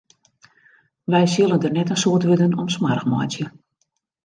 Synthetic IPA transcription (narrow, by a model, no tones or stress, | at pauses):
ʋɛjsølˠəndərnɛtəsoətʋødənɔmsmarxmɔ̰jt͡sjə